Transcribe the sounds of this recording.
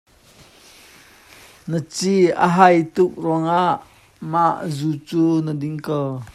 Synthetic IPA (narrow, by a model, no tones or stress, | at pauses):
nət͡siə̰ɦajt̪ʊk̚rɔŋaʔ | maʔzut͡suːnədiŋkow